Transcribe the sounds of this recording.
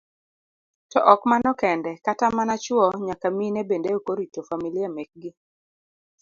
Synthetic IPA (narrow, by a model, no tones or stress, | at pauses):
tɔʔɔkmanɔkɛndɛkatamanat͡ʃwɔɲakaminebendeokoɾitofamiliamek̚ɡɪ